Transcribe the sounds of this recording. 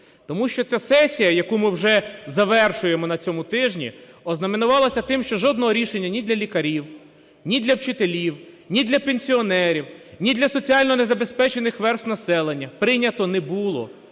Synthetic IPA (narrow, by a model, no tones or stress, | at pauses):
t̪ɔmuʃt͡ʃɔt͡sʲasɛsʲijɐjɐkumɪwʒɛzɐʋɛrʃʊjemɔnɐt͡sʲɔmʊt̪ɪʒnʲḭɔznɐmenʊʋɑlˠɐsʲɐt̪ɪmʃt͡ʃɔʒɔd̪̚nɔɦɔɾʲiʃenʲːɐnʲid̪lʲɐlʲikɐɾʲiw | nʲid̪lʲɐwt͡ʃɪt̪elʲiw | nʲid̪lʲɐpenʲsʲiɔnɛɾʲiwnʲid̪lʲɐsɔt͡sʲiɑlʲnɔnezɐbe̞spɛt͡ʃe̞nɪxʋɛrst̪nɐsɛlˠenʲːɐpɾɪnʲɐt̪ɔnɛbulˠɔ̰